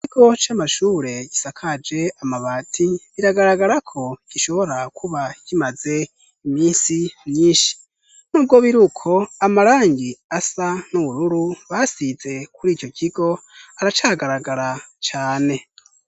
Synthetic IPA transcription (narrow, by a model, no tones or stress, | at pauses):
iciɡ̥o̞t͡ʃaːmaʃuːɾe̞ɟ̥isakʰad͡ʒe̞amaβaːtʰiβiɾaɡaɾaɡaɾakʰo̞ɟ̥iʃo̞βo̞ɾakʰuβaɟimaze̞ | imiːsimɲiːnʃi̥ | nuːb̚ɡo̞βiɾukʰo̞amaɾaːŋɡiasanuβuɾuɾuβasize̞kuɾiːco̞cʰiɡ̥o̞aɾat͡ʃaːɡaɾaɡaɾat͡ʃaːne̞